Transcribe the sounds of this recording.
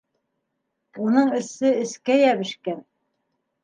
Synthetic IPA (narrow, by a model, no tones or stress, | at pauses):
unɤɴɘ̆sɘɘ̆skæjæβɘ̆ʃkæn